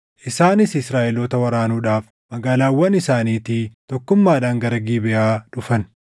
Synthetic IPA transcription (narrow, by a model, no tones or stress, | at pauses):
ʔɪsaːnɪsɪsɾaːʔɛloːt̪ɐwɐɾaːnuːᶑaːf | mɐɡaːlaːwːɐnɪsaːniːt̪it̪ɔkːʊmːaːᶑaːŋɡɐɾɐɡiːbɪʔaːᶑʊfɐn